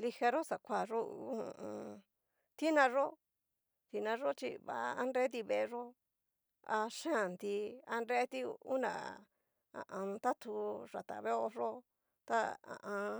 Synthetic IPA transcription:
li˧ha˧ɾo˦sa˨kʷa˦˨ʐo˦ṵ˧˨˦ũ˧ | t̪i˦nã˧ʐo˦ | t̪i˧nã˧ʐo˦t͡ʃḭ˧βa̰˨˧a˦nɾe˦t̪̬i˧βe˧ʐo˦ | a̰˧ʃã˦˨nd̪i˧a˧nɾe˦t̪i˦u˦nã̰˨ | ã̰˨ʔã˧t̪a˦t̪ʰu˧ʐa˨t̪a̰˨βe˦o˧ʐo˦ | t̪a˦ã̰˨ʔã˧

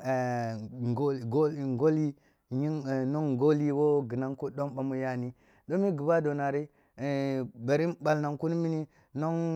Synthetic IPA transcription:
o˦˨ɡo˦˨ŋɡo˦li˦ | ɲi˦ŋ˨no˦ŋ˨ɡo˦li˦wo˦ɡi˨na˦ŋku˦ɗo˦mba˨mu˦ja˦˨ni˦ | do˦mi˦ɡi˨ba˦do˨na˨ɾi˦˨ | be˨ɾi˦ba˨lna˨ŋku˦ni˦mi˦ni˦ | no˦ŋ

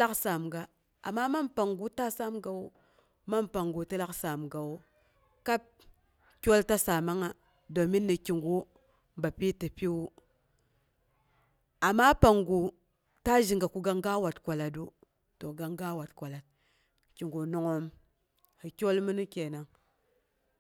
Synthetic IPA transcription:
la˦ksa˨mɡa˨ | a̰˨mːa˦ma˦mpa˨ŋɡu˦ta˦sa˦mɡa˨wu˦ | ma˦mpa˨ŋɡu˨ti˦la˦ksa˨mɡa˨wu˦ | ka˦p̚ | kʲo˦lta˦sa˨ma˦ŋa˨ | do˨mi˦nːi˨kʲi˨ŋɡu˦ | mba˨pi˦ti˨pi˦wu˦ | a˨ma˦pa˨ŋɡu˨ | ta˦ʒi˨ŋɡa˨ku˦ɡa˦ŋɡa˦wa˨tkʷa˨la˨du˦ | to˨ɡa˨ŋɡa˦wa˨tkʷa˨la˨t̚ | ki˨ŋɡu˨no˨ŋo˦m | hi˨kʲo˦lmi˦ni˦kʲe˨na˨ŋ

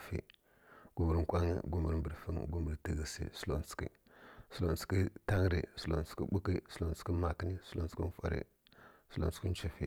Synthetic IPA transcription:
fḭ˨ | ɡ̥u˨mə˨ɾŋ˨kʷa˦ŋḭ˦ɡu˦mə˨ɾm˨bə˨ɾfə˦ŋ˨ɡu˦mə˨ɾtə˨ɣə˨sḭ˦˨su˦lo˨n˨t͡skḭ˦ | su˦˨lo˨n˨t͡si̥˨ki˦ta˦ŋ˦ɾḭ˨su˨lo˨n˨t͡ski˦ɓu˦ki˦su˦lo˨n˨t͡ski˦ma˨kə˦ni˦su˦o˨n˨t͡skḭ˦fa̰˨ɾḭ˨ | su˦lo˨n˨t͡ski˦n˦t͡ʃi˨fḭ˨

